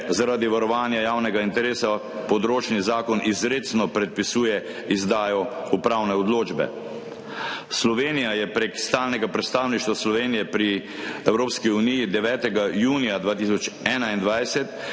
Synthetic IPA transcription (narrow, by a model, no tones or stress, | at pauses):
zaɾaːd̪iʋaɾɔʋaːnjajaːwnɛɡaint̪ɛɾeːsa | pɔd̪ɾoːt͡ʃnizaːkɔnʔizɾeːt̪snɔpɾɛt̪̚pisuːjɛ | izd̪aːjɔupɾaːwnɛɔd̪loːd͡ʒbɛ̰ | slɔʋeːnijajɛpɾekst̪aːlnɛɡapɾɛt̪st̪aːwniʃt̪ʋaslɔʋeːnijɛpɾi | ɛwɾoːpskiunijid̪ɛʋɛːt̪ɛɡajuːnijad̪ʋaːt̪is̬ɔt͡ʃɛːnaind̪ʋajsɛt̪